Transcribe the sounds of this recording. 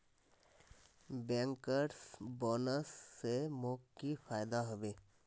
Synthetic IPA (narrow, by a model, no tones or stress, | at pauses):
bɛ̃ŋkəɾsbɔːnəsːemokkːipʰaːjd̪aɦɔbeː